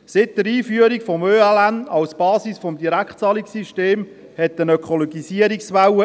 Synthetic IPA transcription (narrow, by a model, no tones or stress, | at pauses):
sɪt̚dəɾiːfyəɾikfɔmøːalænɑwsb̥ɑːsisfɔmdiɾækχtt͡sɑːliksiʃteːm | hɛtːənœkʰɔlɔɡisiəɾiksʋawə